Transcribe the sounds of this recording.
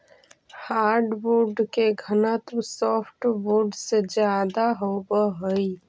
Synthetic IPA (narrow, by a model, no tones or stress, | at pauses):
haɾɖbuɖkeɡʱənət̪msɔpʰʈboɖsed͡ʒjad̪aɦobəɦəj